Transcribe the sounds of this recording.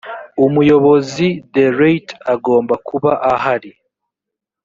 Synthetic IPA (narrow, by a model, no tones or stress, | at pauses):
umujo̞βo̞zideɾejtaɡo̞ːmbakʰuβaʔaɦaɾi